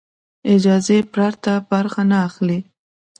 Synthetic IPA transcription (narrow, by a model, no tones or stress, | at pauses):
ɪd͡ʒɑzepɾɑɾt̪abaɾxanaːxli